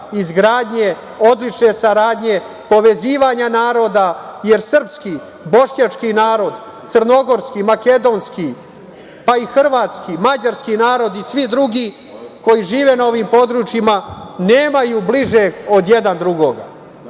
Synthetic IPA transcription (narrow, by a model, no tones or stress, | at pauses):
izɡɾaːd̪ɲe̞ | o̞d̪lit͡ʃne̞saɾaːd̪ɲe̞ | po̞ʋe̞ziːʋaɲanaːɾo̞ːd̪aje̞ɾsr̩pski | bo̞ʃɲat͡ʃkinaːɾo̞d̪ | t̪sərno̞ɡo̞ɾskimake̞d̪o̞nski | paixr̩ʋaːt̪skimad͡ʑaɾskinaːɾo̞d̪isʋid̪ɾuɡi | ko̞jiʒiːʋe̞nao̞ʋimpo̞d̪ɾuːt͡ʃjimane̞ːmajubliʒeo̞d̪jed̪and̪ɾuɡo̞ɡa̰